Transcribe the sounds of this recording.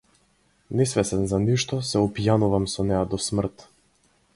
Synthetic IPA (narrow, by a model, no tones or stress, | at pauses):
nɛsvɛsɛnzaniʃt̪ɔsɛɔpijanuvamsɔnɛjad̪ɔsmr̩t̪